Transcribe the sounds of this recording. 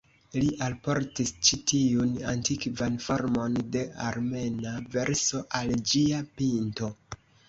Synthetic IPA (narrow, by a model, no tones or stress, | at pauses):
liʔalpo̞ɾtist͡ʃitiunantikvanfo̞ɾmo̞nde̞a̰ɾme̞nave̞ɾso̞ʔald͡ʒiapinto̞